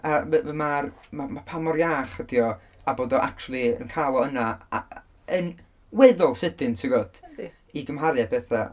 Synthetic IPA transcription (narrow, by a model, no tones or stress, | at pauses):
ammarmamapʰamɔɾjaːχədjɔ | aboːdɔʔak̚t͡ʃʰulˠiə̰nkʰaːlˠɔənaa̰ | ən | wɛðʊlˠsɪdɪnsʰɪɡɔd̥ | iɡəmɦaɾjabʰeːθɛ